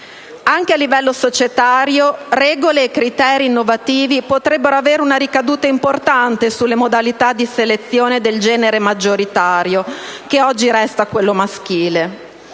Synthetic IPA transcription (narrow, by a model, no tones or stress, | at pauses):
aŋk̟ealːivɛlːosot͡ʃet̪aːɾjorɛːɡoleːkːɾit̪ɛːɾiːnːovat̪iːvipot̪ɾɛbːeɾoaveːɾeunaɾikad̪uːt̪aimport̪ant̪esulːemod̪alit̪ad̪iselet̪sːjoːned̪eld͡ʒɛːneɾemad͡ʒːoɾit̪aːɾjok̟eɔd͡ʒːiɾɛst̪akwelːomask̟iːle